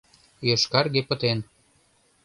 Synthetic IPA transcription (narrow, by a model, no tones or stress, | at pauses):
jøʃkɑrɣepə̆t̪en